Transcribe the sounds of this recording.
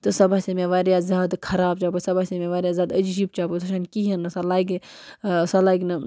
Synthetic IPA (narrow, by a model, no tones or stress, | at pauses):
t̪ɨsɐbasemẽʋaːɾjaːzʲaːd̪kʰɐɾaːbt͡ʃaːpɐsɐbasemẽʋaːɾjaːzʲjaːd̪ɐd͡ʒd͡ʒiːb̚t͡ʃaːpɐt̪ʰɐʃankiɦɐnːɨsalaːiɡ | sɐlaːɡnɐ